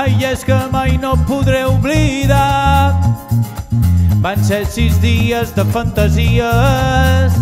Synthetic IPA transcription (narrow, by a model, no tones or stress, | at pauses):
ajʒeskəmajnopuðɾɛuβliða | bansesizðiəzðəfənt̪əziə | s